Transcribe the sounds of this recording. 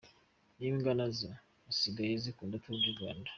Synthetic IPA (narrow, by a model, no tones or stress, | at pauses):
niːŋɡanazaː | siɡajezikuːndatuuɟuɡwa̰ːndḁ